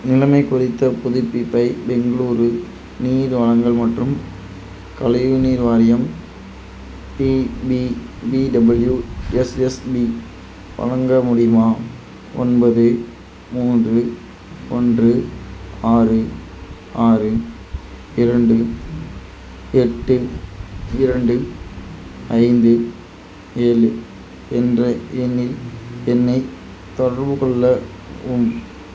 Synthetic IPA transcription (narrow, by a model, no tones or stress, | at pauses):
nɪlɐmɐɪkʊrɪt̪ːɐpʊðɪpːipːɐɪbɛŋɡɐɭuːɾɯ | niːɾʋɐɻɐŋɡɐɭmɐʈrɯm | kɐlɐʋɯniːɾʋaːɾɪjɐm | pibibiɖɐbɐljuɛsɛsbi | pɐ̰ɻɐŋɡɐmʊɽɪmaː | ʔɔ̰nbɐðɯ | muːndrɯ | ɔndrɯaːrɯ | aːrɯ | ɪɾɐɳɖɯ | ɛʈːɯ | ɪɾɐɳɖɯ | ɐɪnd̪ɯ | eːlɯ | ɛndrɐʔɛnːɪlɛnːɐɪ | t̪ɔɽɐɾbɯkɔɭːɐ | ʊm